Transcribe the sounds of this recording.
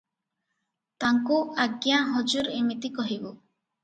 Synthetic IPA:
t̪aŋkuaɡjaɦɔd͡ʒuɾemit̪ikɔɦibu

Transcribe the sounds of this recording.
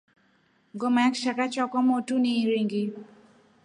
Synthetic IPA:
ɡomakʃakat͡ʃɔkɔmotuniɾiŋɡi

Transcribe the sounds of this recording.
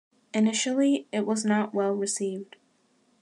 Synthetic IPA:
ɨnɪʃl̩ˠiɪt̚wʌznəʔ̚wɛlˠɹɨsivd̥

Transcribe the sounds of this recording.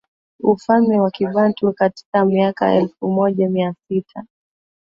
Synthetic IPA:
ufalmɛwakivantukati̥kamiaka̰ɛ̰lfumɔʄamiasitʰa

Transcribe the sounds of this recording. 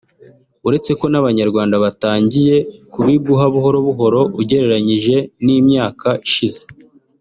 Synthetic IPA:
uɾe̞t͡se̞ko̞naβaɲaɾɡwaːndaβataːɲɟije̞kuβibɡuɦaβuɦo̞ɾo̞βuɦo̞ɾo̞uɟe̞ɾe̞ɾaɲiʒe̞niːmɲaːkʰaʔiʃize̞

